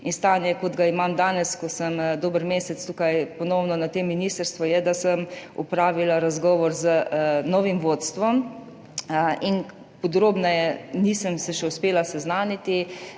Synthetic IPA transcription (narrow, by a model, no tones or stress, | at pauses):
inst̪aːnjɛkod̪ɡaimamd̪aːnɛskɔsəmd̪oːbəɾmeːsɛt̪st̪ukajpɔnɔwnɔnat̪emːinist̪əɾst̪ʋɔjɛd̪asəmṵpɾaːʋilaɾazɡɔːʋɔɾzənɔːʋimʋot̪st̪ʋɔm | in | pɔd̪ɾoːbnajɛniːsəmsɛʃɛʊspeːlasɛznaːnit̪i